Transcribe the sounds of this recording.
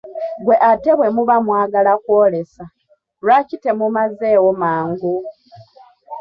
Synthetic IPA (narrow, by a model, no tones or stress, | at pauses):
ɡwe̞ʔate̞βwe̞muβamwaːɡalakwoːle̞sa | lwacite̞mumazeːwomaːŋɡu